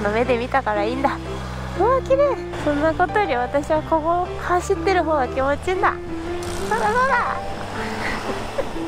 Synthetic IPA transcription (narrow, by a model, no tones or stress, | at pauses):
nome̞d̪e̞mʲit̪akaɾaĩːnd̪a | soːkʲiɾe | sõ̞nːako̞t̪ojoɾʲiβ̞at̪aɕiβako̞ɡo | haɕit̪ːe̞ɾɯ̟ɦo̞ːɡakʲimo̞t͡ɕind̪a̰ | sonaɡod̪a